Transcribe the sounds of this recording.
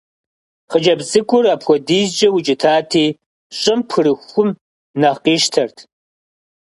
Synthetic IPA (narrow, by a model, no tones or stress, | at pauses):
χəd͡ʒɐbzɨkʷʼʊrapʰʷɔdiːzd͡ʒʼɐwʊt͡ʃʼɪtʰaːtʰiː | ɕʼɪmpʰɨɾɨxʷʊm | nɐʁqiːʃtʰɐrtʰ